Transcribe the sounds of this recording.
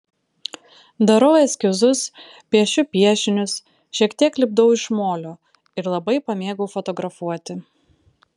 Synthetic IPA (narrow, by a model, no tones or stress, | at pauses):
d̪ɐɾoːjɛsʲkʲɪzʊs | pʲiɛʃʲʊpʲiɛʃʲɪnʲʊs | ʃʲiɛkt̪ʲiɛklʲɪb̚d̪ɐʊɪʃmoːlʲoː | ɪɾlˠɐbɐɪpɐmʲeːɡɐʊfɔt̪ɔɡɾɐfuɔt̪ʲɪ